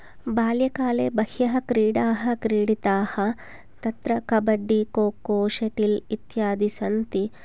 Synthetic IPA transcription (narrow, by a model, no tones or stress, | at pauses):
baːljɐkaːleːbɐhjɐɦɐkɾiːɽaːɦɐ̆kɾiːɽit̪aːhɐ | t̪ɐt̪ɾɐkɐbɐɖːikoːkoːʃɐʈilit̪jaːd̪isɐnt̪i